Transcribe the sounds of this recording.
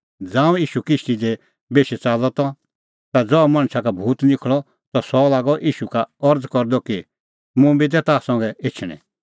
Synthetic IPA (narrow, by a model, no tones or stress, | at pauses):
d͡zãːũiːʃukɪsʈid̪e | beːʃɛt͡saːlɔt̪ɔ̃ | t̪ad͡zɔmãɽ̃sʰakabʱuːt̪nɪkʰɭɔ | t̪ɔsɔlaːɡɔʔiːʃukaɔɾd͡zkɔɾd̪ɔki | mũbit̪̬ɛt̪asɐ̃ŋɡɛet͡ʃʰɽ̃ɛ̰̃